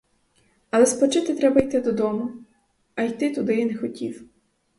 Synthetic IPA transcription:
ɐlˠɛspɔt͡ʃɪt̪ɪt̪ɾɛbɐjt̪ɪd̪ɔd̪ɔmʊ | ɐjt̪ɪt̪ʊd̪ɪjinɛxɔtʲiw

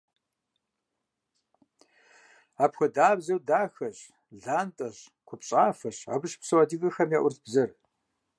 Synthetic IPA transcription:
aːpxʷɐdaːbzɐwdaːxɐɕ | ɮaːntʼɐɕ | kʷʰʊpɕʼaːfɐɕa̰ːbɨʃpsɐwadiɣʼɨxɐmjaʔʷʊrtbzɐr

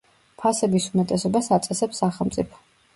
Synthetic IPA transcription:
pʰasɛbisumɛt̪ʼɛsɔbasat̪sʼɛsɛpsaχɛlˠmt̪sʼḭpʰɔ̥

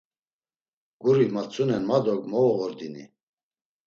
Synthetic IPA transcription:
ɡ̥uɾimat͡sʰʼunɛnmad̪ɔɡmɔvɔʁɔɾd̪ini

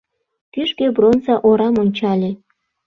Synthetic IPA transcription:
kyʃkebronzɑʔoɾɑmonʲt͡ɕɑlʲĕ

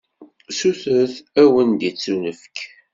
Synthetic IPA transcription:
suθəθæwənd̪it͡sːunəfk

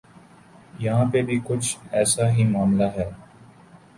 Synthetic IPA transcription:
jɐɦãːpebʱikʊt͡ʃʰɛːsaɦimaːmlaɦɛː

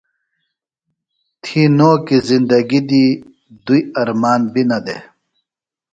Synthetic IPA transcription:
t̪ʰinoːkizind̪ɐɡid̪i | d̪ujɐɾmaːnbinɐd̪e

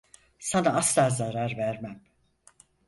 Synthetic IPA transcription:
sanaaslˠaːzaɾaɾvæɾmæm

